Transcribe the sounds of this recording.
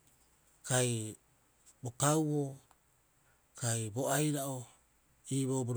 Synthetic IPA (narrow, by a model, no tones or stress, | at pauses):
kaj | bokawβo | kajboajɾaʔo | iβoboɾ